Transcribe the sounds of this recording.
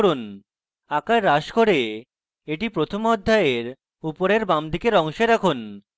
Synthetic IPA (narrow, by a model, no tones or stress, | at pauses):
ɾun | akaɾːaʃkoɾe | eʈipɾot̪ʰomɔd̪ʱːaeɾ | upoɾeɾbamd̪ʱikeɾɔŋʃeɾakʰun